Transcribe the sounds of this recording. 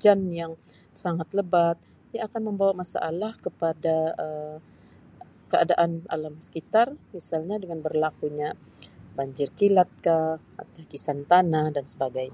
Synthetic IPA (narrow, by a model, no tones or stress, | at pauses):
d͡ʒanjaŋ | saŋat̪ləbat̪̚ | diaːkanməmbawamasa̰ʔalahkəpadaə | kəa̰daʔana̰lamsə̥kit̪armisalɲadəŋanbərlakuɲa | baɲd͡ʒɪrkilat̪̚ka | a̰t̪akisant̪anahdansəbaɡajɲa